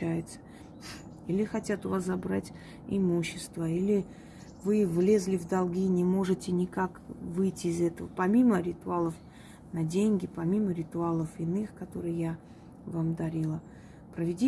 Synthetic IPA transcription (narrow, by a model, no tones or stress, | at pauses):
æjɪt̪sə̥ | ilʲɪxɐtʲat̪ʊvaszɐbɾatʲ | ɪmuɕːɪst̪vəilʲɪ | vɨvlʲe̞zʲlʲɪvd̪ɐlˠɡʲinʲɪmo̞ʐɨtʲɪnʲɪkakvɨjtʲɪːzɛt̪əvəpɐmʲiməɾʲɪt̪ʊalˠəf | nɐdʲenʲɡʲɪpɐmʲiməɾʲɪt̪ʊalˠəfɪnɨxkɐt̪o̞ɾɨjja | vamd̪ɐɾʲilˠə | pɾəvʲɪdʲi